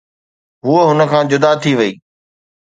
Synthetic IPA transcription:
ɦuəɦʊnə̆kʰãːd͡ʑʊd̪at̪ʰiʋɐiː

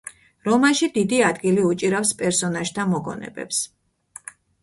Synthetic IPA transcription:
ɾɔmaʃid̪id̪iad̪ɡiliut͡ʃʼiɾafspʼɛɾsɔnaʒt̪ʰamɔɡɔ̰nɛ̰bɛ̰ps

